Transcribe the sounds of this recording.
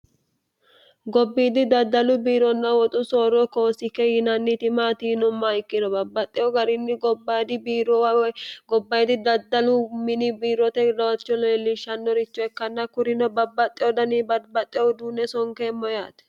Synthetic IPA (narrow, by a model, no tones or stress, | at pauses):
ɡɔbːiːd̪ɪd̪ɐd̪ːɐlʊbiːɾɔnːɐwɔt̪ʼʊsoːɾɔkoːsɪkːɛjɪnɐnːɪt̪ɪmaːt̪iːnɔmːaɪkːɪnɔbɐbːɐt̪ʼːɛɔɡɐɾɪnːɪɡɔbad̪ɪbiːɾɔwɡɔbːɐjɛd̪ɪd̪ɐd̪ːɐlʊmɪnɪbiːɾɔt̪ɛɾɐwɐt͡ʃːɔleːlːɪʃːɐnːɔɾɪt͡ʃːɔɛkːɐnːɐkʊɾɪnɔbɐbːɐt̪ʼːɛjɔd̪ɐnibɐbɐt̪ʼːɛd̪uːnɛsɔŋkeːmːɔjaːt̪ɛ̥